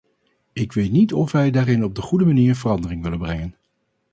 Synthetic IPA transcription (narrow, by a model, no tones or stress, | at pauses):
ɪkʋejtnitɔfʋɛjdaːrɪnɔb̚dəχudəmaniːɹənvərɑndərɪŋʋɪlənbrɛŋən